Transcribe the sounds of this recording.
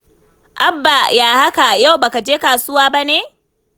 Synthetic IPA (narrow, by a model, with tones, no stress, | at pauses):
ʔa˦bːa˨jaː˨ha˦ka˨ja˦˨wbaː˨ka˨d͡ʒeː˦kaː˨sʊ˦waː˦ba˦neː˦˨